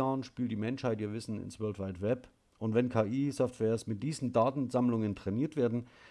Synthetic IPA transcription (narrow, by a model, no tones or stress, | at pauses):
aːʁnʃpiːltd̥iːmɛnʃhaɪtiːɐvɪsn̩ɪ̰nsvœɐltvaɪtvɛp | ʔʊntv̥ɛnkʰaːʔiːsɔftvɛːɐsmɪt̚d̥iːzn̩daːtn̩zamlʊŋəntʁ̥ɛniːɐtv̥eːɐdn̩